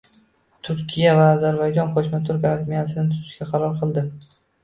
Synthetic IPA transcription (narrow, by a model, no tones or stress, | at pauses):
t̪ʰʊɾkʲʰijavaːzaɾbajd͡ʒɒnqʰɒʃmat̪ʰʊɾkaɾmijasɪnɪt̪ʰʊ̥ɾʰɪ̥ʃkʲaqʰɑɾɒɾqʰɨlˠd̪ɪ